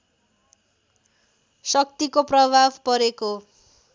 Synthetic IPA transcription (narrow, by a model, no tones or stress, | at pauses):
sʌk̚t̪ikoprʌbʱabpʌɾeko